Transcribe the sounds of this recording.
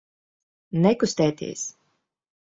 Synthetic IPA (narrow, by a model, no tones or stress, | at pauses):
nɛkust̪ɛːt̪ḭːs